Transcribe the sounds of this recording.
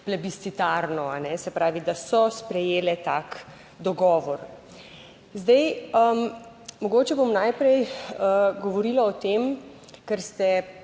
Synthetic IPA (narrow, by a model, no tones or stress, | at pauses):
plɛbist̪it̪aɾnɔanɛsɛpɾaːʋid̪asɔspɾɛjeːlɛt̪aːk | d̪ɔɡɔːʋɔɾ | zd̪ɛjəm | mɔɡoːt͡ʃɛbomnajpɾɛjəɡɔʋɔɾiːlaɔt̪em | kəɾst̪ɛ